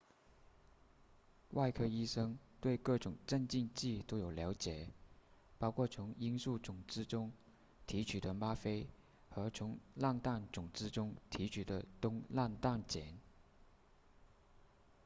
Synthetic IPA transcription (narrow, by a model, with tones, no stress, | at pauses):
wʔa˥˧ɪkʰɤ˥i˥ʂɤ˥ŋt̪we˥˧ɪkɤ˥˩ʈ͡ʂʊ˨˩˦ŋʈ͡ʂə˥˧nt͡ɕi˥˧nt͡ɕi˥˩t̪o˥ʊjo˨˩ʊljɑ˧˥ʊt͡ɕjɛ˨˩˦pɑ˥ʊkʰwɔ˥˩t͡sʰʊ˧˥ŋi˥nsu˥˩t͡sʊ˨˩ŋt͡sɹ̩˥ʈ͡ʂʊ˥ŋ | t̪ʰi˧˥t͡ɕʰy˨˩d̪ə˦ma˥fe˥ɪ | xɤ˧˥t͡sʰʊ˧˥ŋla˥˧nt̪a˥˩nt͡sʊ˨˩ŋt͡sɹ̩˥ʈ͡ʂʊ˥ŋt̪ʰi˧˥t͡ɕʰy˨˩d̪ə˦t̪ʊ˥ŋla˥˧nt̪a˥˩nt͡ɕjɛ˨˩˦n